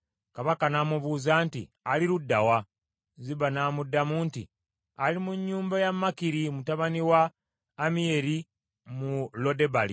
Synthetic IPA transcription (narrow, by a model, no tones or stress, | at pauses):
kaβakanamuβuːzaːntḭ | aliɾudːawa | ziβanaːmudːamuːntḭ | alimuɲːuːmbajamːakiɾimutaβaniwaː | mije̞ɾi | mulo̞de̞balḭ